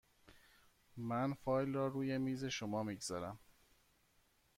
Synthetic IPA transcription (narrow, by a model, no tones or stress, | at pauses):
mænfɒːjlrɒːɾuːje̞miːze̞ʃomɒːmiːɡz̥ɒːɾæm